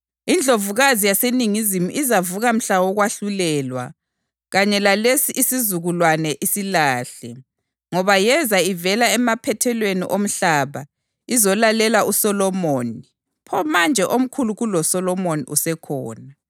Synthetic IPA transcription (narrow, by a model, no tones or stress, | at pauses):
ind͡ɮʱovuɣazijaseniŋizimuʔizavuɣam̩ɬawɔɣwaɬulɛːlwa̰ | ɣaɲɛlalesiʔisizuɣulwanɛʔisilaːɬɛ | ŋɔβajɛzaivɛlaɛmapʰɛtʰɛlweniʔom̩ɬaːβa | izɔlalɛlausɔlɔmoːni | pʰɔmand͡ʒʱɛʔom̩kʰuluɣulɔsɔlɔmonḭʔusɛkʰɔːna